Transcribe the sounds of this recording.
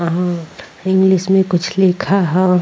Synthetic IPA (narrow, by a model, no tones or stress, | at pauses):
ɦã | ɪ̃ŋɡlɪʃmẽkʊt͡ʃʰlɪkʰaɦɛ